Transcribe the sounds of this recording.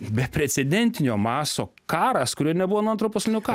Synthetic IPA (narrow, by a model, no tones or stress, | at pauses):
bʲɛpʲɾʲɛt̪sʲɛd̪ʲɛnʲt̪ʲɪnʲoːmɑːsoːkɑːɾɐskʊɾʲuːnʲɛbʊʋoːnuɐnt̪ɾuːpʊsʲlʲɪnʲuːkɑː